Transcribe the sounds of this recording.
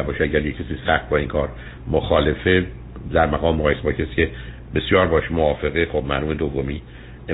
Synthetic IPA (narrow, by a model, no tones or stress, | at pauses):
bɒːʃeæɟæɾjecʰːesiːsæxt̪̚bɒːiŋkʰɒːɾ | moxɒːle̞fe | d̪æɾmæɣɒːmːoɣɒːjesebɒːcʰestcʰe | be̞sjɒːɾbɒːʃemoɒːfe̞ɣexobmæɾuːmed̪ovːomiː | e